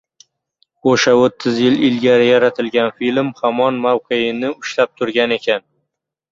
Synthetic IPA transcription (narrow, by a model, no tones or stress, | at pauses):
oʃaot̪ʰːɪzjɪlɪlɡʲaɾɪjaɾat̪ʰɪlɡʲanfilmhamɒnmawqʰejɪnɪʊʃlap̚t̪ʰʊɾɡʲane̞kʲʰan